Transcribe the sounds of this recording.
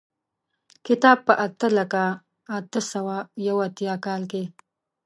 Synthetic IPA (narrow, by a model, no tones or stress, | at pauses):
kɪt̪ɑb̚pəʔat̪əlaka | at̪əsawajawat̪jɑkɑlke